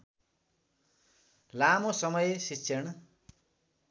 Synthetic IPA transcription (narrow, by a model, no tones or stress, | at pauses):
lamosʌmʌjsisʰʌɽ̃